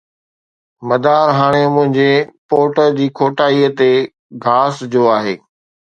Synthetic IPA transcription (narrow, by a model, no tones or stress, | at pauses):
mɐd̪aːɾɦaːɽ̃emʊ̃ɦɪ̃ɲd͡ʑepoːʈəɾd͡ʑiːkʰoːʈaːiət̪e | ɡʱaːsd͡ʑoːaːɦḛː